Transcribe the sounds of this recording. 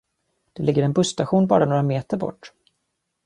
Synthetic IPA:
d̪̥ɛlɪɡːəɾɛnbɵst̪aɧuːnbɑ̰ːɾanoːɾameːt̪əɾbɔ̰ʈː

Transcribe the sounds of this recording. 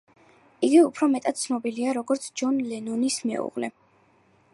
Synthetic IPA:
iɡiupʰɾɔmɛt̪ʼad̪̥̚t̪sʰnɔbiliaɾɔɡɔɾt̪sʰd͡ʒɔnlɛnɔnismɛ̰ṵʁlɛ̰

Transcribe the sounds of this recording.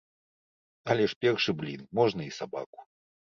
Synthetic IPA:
ɐlʲɛʂpʲɛrʂɨblʲinmɔʐnɐisaba̰ku̥

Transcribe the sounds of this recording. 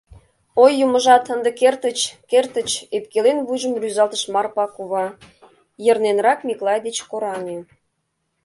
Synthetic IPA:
ojːuməʒɑt̪ənd̪ekert̪ət͡ɕkert̪ət͡ɕep̚kelenβujʒəmryzɑlt̪əʃmɑrpɑkuβɑ | jərnenrɑkmʲiklˠɑjd̪et͡ɕkoɾɑne

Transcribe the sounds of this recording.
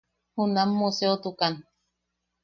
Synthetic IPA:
hunamːuseot̪ukan

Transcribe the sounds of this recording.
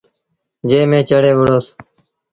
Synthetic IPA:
d͡ʒeːmẽːt͡ʃəɽeːʋəɽoːs

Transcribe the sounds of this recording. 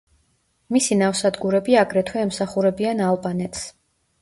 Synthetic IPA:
misinafsad̪ɡuɾɛbiaɡɾɛt̪ʰwɛːmsaχuɾɛbianalˠbʼanɛt̪ʰs

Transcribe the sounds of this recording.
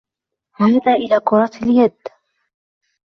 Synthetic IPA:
haːd̪aːʔɪlaːkʊɾˤɑt̪aljad̪

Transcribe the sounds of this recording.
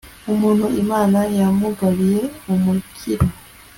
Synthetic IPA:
umuːnhuimaːnajamuɡaβije̞omukʰiɾo

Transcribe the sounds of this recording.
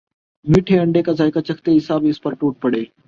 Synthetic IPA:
miːʈʰeːɐ̃ɳɖeːkaːzaːɪkaːt͡ɕɐkʰt̪eːɦɪsaːbɪspəɾʈuːʈ̚pɐɽeː

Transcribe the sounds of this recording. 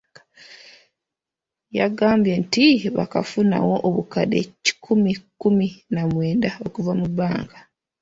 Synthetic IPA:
jaɡaːmbjentiβa̰kafuna̰wo̞ʔoβukade̞̰ci̥kʰumikuminamwe̞ːndaokuvamubaːŋɡa

